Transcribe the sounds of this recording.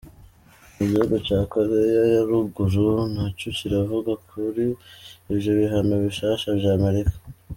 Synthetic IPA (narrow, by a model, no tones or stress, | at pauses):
uɟiuɡot͡ʃaːkaɾejajaɾuɡuɾunhacuciɾavuɡakʰuɾiiβjo̞βiɦanoβiʃaʃavjaːme̞ɾikḁ